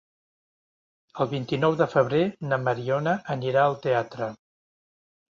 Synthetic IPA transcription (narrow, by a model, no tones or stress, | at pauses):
əlˠβint̪inɔwðəfəβ̞ɾenəməɾiɔnəːniɾaəlˠt̪eat̪ɾə